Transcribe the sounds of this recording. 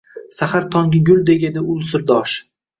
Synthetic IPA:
sahaɾt̪ʰɒŋɡʲɪɡʲʊlˠd̪eɡʲed̪ɪʊlˠsɪɾd̪ɒʃ

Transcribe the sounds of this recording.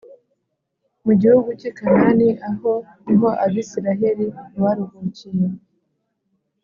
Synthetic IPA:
muɟihuɡucikananiaho̞ | niɦo̞ʔaβisiɾaɦe̞ɾiwaɾuɡucije

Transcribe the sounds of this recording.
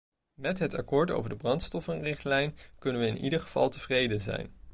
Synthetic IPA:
mɛtɦətɑ̰kʊːɹto̰wvəɹdəbrɑntstɔfənrɪχtlɛjnkɵnənʋəɪnʔḭdəɹχəv̥ɑ̰lˠtəv̥rejdənzɛ̰jn

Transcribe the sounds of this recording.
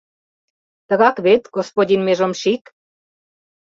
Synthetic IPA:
t̪ə̆ɣɑkβet̪ɡospodʲinmeʒŏmʃik

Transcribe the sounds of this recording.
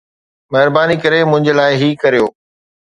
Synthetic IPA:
mɛɦɪɾbaːnikɐɾemʊ̃ɦɪ̃ɲd͡ʑəlaːɪɦikɐɾijoː

